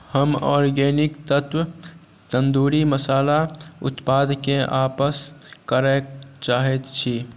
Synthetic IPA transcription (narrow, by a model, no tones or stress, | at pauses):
həmɔ̰ːɾɡenikt̪ət̪w | t̪ənd̪uɾiməsaːlaʊ̰t̪pad̪ʱkẽʔapəskəɾət͡ʃaɦɛt̪t͡ʃʰi